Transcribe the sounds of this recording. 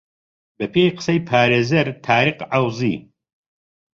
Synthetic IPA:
bɐpʰeːjqə̥sɐjpʰaːɾeːzɐɾt̪ʰaːɾiqʕawzḭː

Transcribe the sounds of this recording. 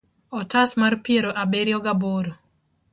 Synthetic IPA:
ɔtasmarpjeɾoʔabeɾjɔɡaboɾo

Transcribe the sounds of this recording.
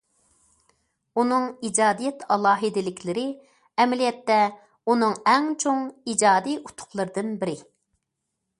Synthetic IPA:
unɨŋid͡ʒɑːd̪ijɛt̪ʰɑlˠɑːɦɨd̪ɪlɪkʲʰlɪɾɪ | ɛmɪlijɛt̪ːɛ | unɨŋɛŋt͡ʃʰoŋid͡ʒɑːd̪ijut̪ʰʊ̥χlˠəɾɨd̪ɨnbɪɾɪ

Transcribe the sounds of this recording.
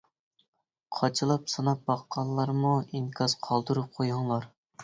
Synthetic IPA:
qʰɑt͡ʃʰɨlˠɑpsɑnɑp̚bɑqːɑlˠːɑɾmuiŋkʰɑzqʰɑlˠd̪uɾup̚qʰojɑŋlˠɑɾ

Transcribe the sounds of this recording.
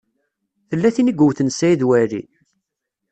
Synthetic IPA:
θəlːæθinəɡʷuwθənsæiðwæɾḭ

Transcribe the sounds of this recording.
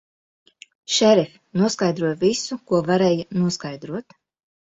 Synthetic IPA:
ʃɛɾɛfʲ | nuɔskajd̪ɾuɔjvisukuɔvaɾɛːjɐnuɔskajd̪ɾuɔt̪

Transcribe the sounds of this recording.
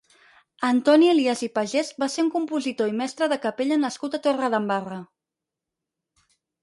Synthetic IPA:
ənt̪ɔniəliazipəʒezbaseuŋkumpuzit̪oimɛst̪ɾəðəkəpeʎənəskut̪ət̪orəðəmbarə

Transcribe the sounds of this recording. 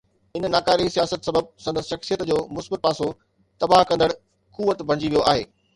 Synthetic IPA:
ɪnnaːkaːɾisijaːsət̪sɐbəb̚sɐ̃nd̪əsʃɐxsijət̪d͡ʑoːmʊsbət̪̚paːso | t̪ɐbaɦkɐ̃nd̪əɽ | kuːʋət̪bʱɐ̃ɽ̃d͡ʑiʋijoaːɦḛː

